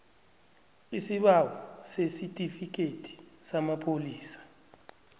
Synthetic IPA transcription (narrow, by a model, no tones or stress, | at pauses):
isiɓawɔsesitʼifik̬ʼetʰʼi̥samapʰoliːsḁ